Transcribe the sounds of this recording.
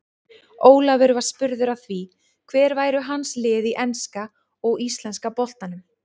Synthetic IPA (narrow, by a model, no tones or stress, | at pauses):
oːwlavʏɾvḁspʏɾðʏɾaθvi | kʰvɛːɾvaːjɾʏɦanslɪːðiʔɛnska | ɔɣist̪lɛnskapɔl̥t̪anʏm